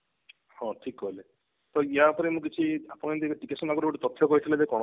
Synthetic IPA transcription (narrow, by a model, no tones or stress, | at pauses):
hɔ̃ʈʰikːole | t̪ɔiapɔɾemũk̬it͡ʃʰiapɔñĩnt̪eʈikesɔnaɡuɾbuʈit̪ɔt̪ʰːjɔkɔɦit̪ʰiled͡ʒekɔɽ̃